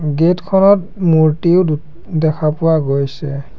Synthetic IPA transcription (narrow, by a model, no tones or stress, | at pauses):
ɡetkʰɔnɔt̚ | muɹtiʊdu | dɛkʰapʊwaɡojsɛ